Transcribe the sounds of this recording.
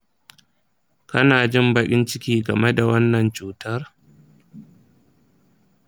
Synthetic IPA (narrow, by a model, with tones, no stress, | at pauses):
kɐ˦naː˨d͡ʒɪ˦mbɐ˦kʲʼɪ˦nt͡ʃɪ˦kʲiː˦ɡɐ˨me˦da˨wɐ˦nːɐ˨nt͡ʃuː˦tɐ˦r